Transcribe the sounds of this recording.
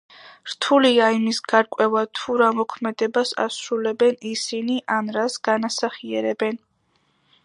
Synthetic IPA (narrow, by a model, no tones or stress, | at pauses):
ɾ̥t̪ʰuliaimisɡ̥aɾkʼwɛvat̪ʰuɾamɔkʰmɛd̪ɛbasa̰sɾulɛbɛnisiniʔanɾasɡ̥anasaχiɛɾɛbɛn